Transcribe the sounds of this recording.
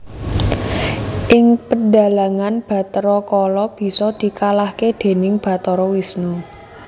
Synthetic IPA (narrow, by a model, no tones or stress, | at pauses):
ʔɪŋpənɖa̤laŋanb̥ä̤t̪ɾɔkɔlɔb̥i̤sɔd̪̥i̤kalahked̪̥e̤nɪŋb̥a̤t̪ɔɾɔwisnu